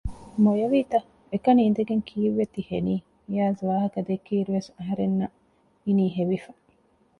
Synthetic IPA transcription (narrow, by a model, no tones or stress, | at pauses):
mojɐʋiːt̪ɐ | ekɐniind̪eɡeŋkʰiːʋːet̪iheniː | jaːzʋaːɦɐkɐd̪ekːiːɾuʋesɐɦɐɾenːɐ | iniːɦeʋifɐ̥